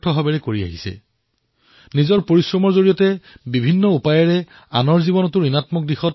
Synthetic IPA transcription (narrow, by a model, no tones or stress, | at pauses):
tʰɔɦabɛɹɛkoɹia̰ɦisɛ̰ | nizɔɹpoɹisɹɔmɔɹzoɹijɔtɛbibʱinːɔupajɔɹɛ | anɔɹzibɔnɔtuɹinatmɔk̚dixɔt̚